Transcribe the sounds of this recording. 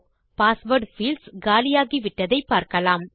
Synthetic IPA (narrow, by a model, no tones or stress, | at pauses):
paːsʋɐɾɖfiːlsɡaːlɪjaːɣiʋɪʈːɐðɐɪpːaːɾkɐlaːm